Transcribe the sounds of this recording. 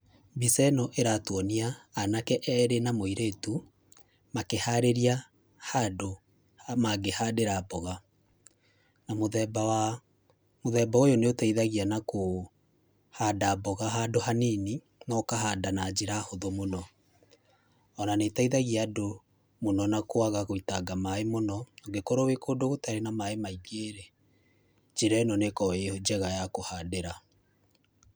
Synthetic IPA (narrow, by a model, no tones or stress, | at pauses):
bisɛnɔʔeɾatwɔniaːnakɛʔɛːɾenamoiɾetu | makehaɾeɾia | hado | maɡehadeɾabɔɣa | namoðɛba | moðɛːbaojoneotaiðaɣianako | hadabɔɣaɦadoɦanini | nɔkaɦadanad͡ʒeɾahoðomonɔ | ɔnanetaiðaɣiaːdo | monɔnakoaɣaɣoitaɡamaemonɔoɡekoɾowekodoɣotaɾenamaemaiɡeɾe | d͡ʒeɾɛnɔnekɔeod͡ʒɛɣajakohadeɾa